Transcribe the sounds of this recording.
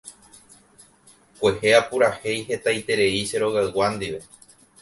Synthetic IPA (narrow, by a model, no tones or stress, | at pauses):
kʷe̞he̞apuɾahe̞jhe̞t̪ajt̪e̞ɾe̞iʃe̞ɾo̞ɣaɨwand̪iʋe̞